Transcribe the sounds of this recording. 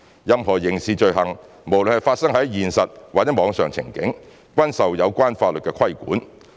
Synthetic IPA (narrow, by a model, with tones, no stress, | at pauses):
jɐ˥mɦɔː˨˩jɪ˨˩ŋsiː˨˩t͡ʃɵ˧ɥɦɐ˨ŋ | mo˨˩wlə˨nhɐ˨˩jfaː˧t̚sɐ˥ŋɦɐ˨˥jjiː˨nsɐ˨t̚waː˨k̚t͡sɛ˨˥mɔː˨˧ŋsœː˨ŋt͡sʰɪ̰˨˩ŋkɪ˨˥ŋ | kʷɐ˥nsɐ˨wjɐ˨˧wkʷaː˥nfaː˧t̚lə˨t̚kɛː˧kʰɐ˥jkṵː˨˥n